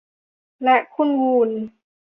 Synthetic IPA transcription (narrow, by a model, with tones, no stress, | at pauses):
lɛ˦˥ʔkʰu˥˨nɡuː˧˩n